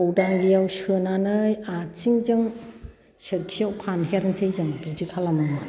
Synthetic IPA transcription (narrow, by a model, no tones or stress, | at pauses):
owdaŋɡijawsɯnanɯjat͡ʃiŋzɯŋ | sɯt̚kʰijawpʰanɦeɾɯnsejzɯŋbid͡ʒikʰalamama